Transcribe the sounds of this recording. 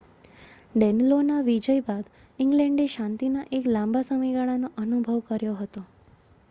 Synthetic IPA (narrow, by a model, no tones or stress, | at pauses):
ɖɛnlonaʋid͡ʒəjbad̪ | iŋɡlɛ̃ɳɖeʃãnt̪inaʔeklãmbasəməjɡaɭanoʔənubʱəʋkəɾjoɦət̪o